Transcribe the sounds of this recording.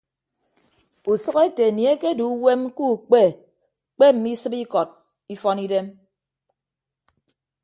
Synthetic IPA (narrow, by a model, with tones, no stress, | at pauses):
u˨sɔ˦ke˦te˨ni˨e˦ke˦du˨˦we˦mku˦˨k͡pe˦˨ | k͡pe˦m̩˨mi˦sɨ˦pi˦kɔ˨t̚ | i˦fɔ˦ni˦de˦m